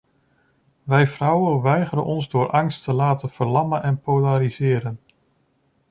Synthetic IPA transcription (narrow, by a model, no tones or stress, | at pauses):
ʋɛjvrɔwənʋɛjχəɾə̰nʔɔnzdʊːɾʔɑŋstəlaːtənv̥əɹlɑmənʔɛnpolaɾizɪːɾən